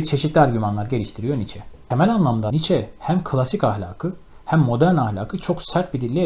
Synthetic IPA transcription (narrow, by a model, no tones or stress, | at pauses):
t͡ʃʰe̞ʃit̪lʲiaɾɟymanlˠaɾɟe̞lʲiʃt̪ʰiɾijo̞nit͡ʃʰɛ | emælʲanlˠamnd̪anit͡ʃʰɛhæmkʰɯlˠasicahlʲa̰ːkʰɯ | hæmːo̞d̪æɾnahlʲa̰ːkʰɯt͡ʃʰo̞ksæɾt̪̚bid̪ilʲːi